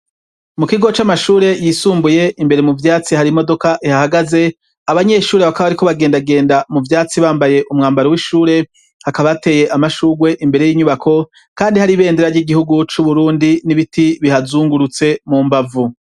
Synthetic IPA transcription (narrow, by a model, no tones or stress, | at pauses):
mukiɡo̞t͡ʃamaʃuːɾe̞jisuːmbuje̞ʔimbe̞ɾe̞muvjaːt͡sihaɾimo̞do̞kaʔihahaɡaze̞ | aβaɲe̞ʃuːɾeβakaβaβaɾiko̞βaɡe̞ːndaɡe̞ːndamuvjaːt͡siβaːmbaje̞ʔumŋaːmbaɾowiʃuːɾe̞ | hakaβaate̞ːje̞ʔamaʃuːɡwe̞ʔimbe̞ɾe̞jiːɲuβakʰo̞ | kaːndihaɾiβe̞ːndeɾaɾɟiɡihuɡut͡ʃuβuɾuːndiniβitʰiβihazuːŋɡuɾut͡se̞mumbavu